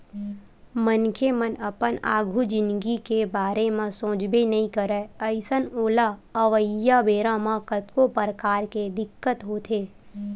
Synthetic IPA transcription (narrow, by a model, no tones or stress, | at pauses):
mənkʰemənəpəna̰ːɡʱud͡ʒɪnɡikebaːɾemãsõːd͡ʒbenɐɦĩkəɾɛəɪsənoːlaəʋəjabeːɾãmãkət̪kopəɾəkaːɾked̪ɪkːət̪ɦoːt̪ʰeː